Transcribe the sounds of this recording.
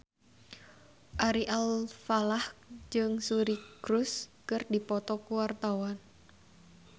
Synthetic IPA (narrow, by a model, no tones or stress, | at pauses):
ʔaɾiʔalfalahd͡ʒɨŋsuɾikɾuskɨrdipɔt̪ɔkuwart̪awan